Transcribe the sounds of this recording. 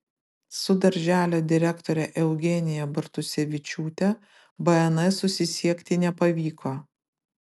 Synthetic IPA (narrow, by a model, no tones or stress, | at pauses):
sʊd̪ɐɾʲʒʲæːlʲoːd̪ʲɪɾʲɛkt̪ɔːɾʲɛʔɛʊɡʲɛnʲɪjɛbɐɾt̪ʊsʲɛʋʲɪt͡ʃʲuːt̪ʲɛ | bɐɛnɐɪsʊsʲɪsʲiɛkʲt̪ʲɪnʲɛpɐʋʲiːkʰoː